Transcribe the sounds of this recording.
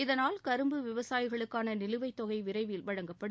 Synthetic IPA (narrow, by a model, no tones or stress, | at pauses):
ɪðɐnaːlkɐɾɯmbɯʋɪʋɐsaːjɪɣɐɭɯkːaːnɐnɪlɯʋɐɪt̪ːɔɣɐɪʋɪɾɐɪʋiːlʋɐɻɐŋɡɐpːɐɽ